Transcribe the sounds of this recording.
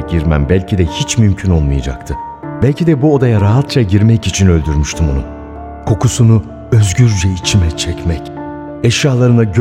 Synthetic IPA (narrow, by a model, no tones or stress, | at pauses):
ɟiɾmæ̰mbælʲcʰid̪ɛhit͡ʃmymcʰynolˠmɯjad͡ʒa̰kt̪ʰɯ | bælʲcʰid̪ɛbuod̪ajaɾaɦat̪t͡ʃʰaɟiɾmɛcit͡ʃʰinø̞lʲd̪yɾmyʃt̪ʰymonṵ | kʰo̞kusunu | øzɟyɾd͡ʒɛit͡ʃʰimɛt͡ʃʰɛcmɛc | ɛʃjaːlˠaɾɯnaɟ